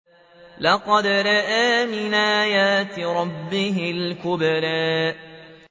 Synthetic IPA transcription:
lɑqɑd̪ɾˤɑʔaːmɪnʔaːjaːt̪ɾˤɑbːɪɦɪlkʊbɾaːʔ

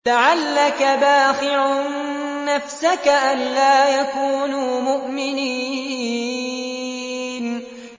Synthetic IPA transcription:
laʕalːakabaːxɪʕnː | afsakaʔanlaːjakuːnuːmʊʔmɪniː | n

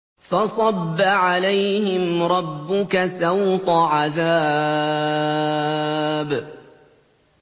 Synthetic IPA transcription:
fɑsˤɑbːaʕalajhɪmɾˤɑbːʊkasawt̪ˤɑʕaðaː | b

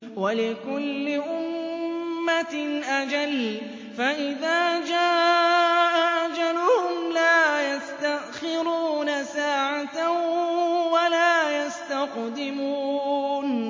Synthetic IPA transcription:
walɪkʊlːɪʔʊmː | at̪ʔad͡ʒal | faʔɪðaːd͡ʒaːʔʔaʔaʔad͡ʒalʊhʊmlaːjast̪aʔxɪɾuːnasaːʕat̪a | walaːjast̪aqd̪ɪmuːn

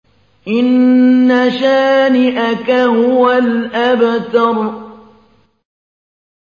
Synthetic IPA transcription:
ʔɪnːaʃaːnɪʔakaɦʊwalʔabt̪ɑɾˤ

